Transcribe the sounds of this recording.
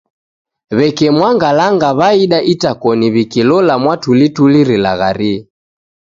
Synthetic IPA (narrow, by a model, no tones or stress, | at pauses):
βɛkɛmwaŋɡalaŋɡaβaiɗaʔitakɔniβikilɔlamwatulituliɾila̰ɣaɾi